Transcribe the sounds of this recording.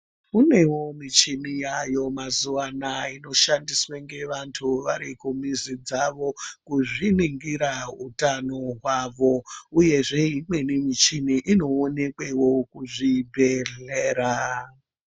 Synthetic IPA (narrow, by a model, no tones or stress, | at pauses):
une̞wo̞mit͡ʃinijajo̞mazuanaino̞ʃandisweŋɡe̞ʋantʰuʋaɾikumizid͡zaʋo̞kuʐiniŋɡiɾautanoɦwaʋo̞uje̞ʐe̞imwe̞nimit͡ʃiniʔino̞ːne̞kwewo̞kuʐibʱeɮeːɾa